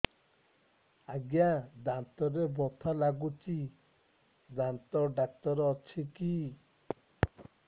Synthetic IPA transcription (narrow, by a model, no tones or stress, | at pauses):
aɡjad̪ant̪ɔɾebɔt̪ʰalaɡut͡ʃi | d͡ʒant̪ɔɖak̚tɔɾɔt͡ʃʰiki